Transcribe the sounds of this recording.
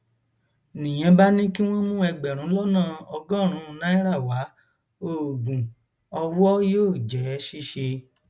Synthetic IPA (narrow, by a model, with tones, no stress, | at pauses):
nĩ˨j̃ɛ̃˧ba˦nĩ˦ki˦w̃ɔ̃˦mũ˦ɛ˧ɡ͡bɛ˨ɾ̃ũ˨˦lɔ˦nãː˦˨ɔ˧ɡɔ̃˦˨ɾ̃ũ˧˦˧nã˦ĩ˦ɾa˦˨wa˨˦ | o˦˨ɡũ˨ | ɔ˧wɔ˦joː˦˨d͡ʒɛ˨˦ʃi˦ʃe˧